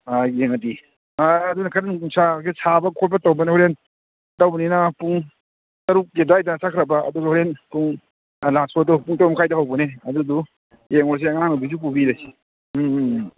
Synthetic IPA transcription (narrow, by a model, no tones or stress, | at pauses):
aeŋɐdi | aɐdunakʰaɾankuŋsʰakesʰabɐkʰɔlpɐtawbɐnehɔɾen | tɐwbɐninɐpuŋ | tɐɾuk̚ɡedajdɐsʰakʰɾɐbɐɐ̰duɡahɔɾenpuŋ | lasɔdɔpuŋtɾumkʰajdɐɦawbɐneɐdudu | jeŋɔɾs̬eɐŋaŋabisup̬ubiɾaj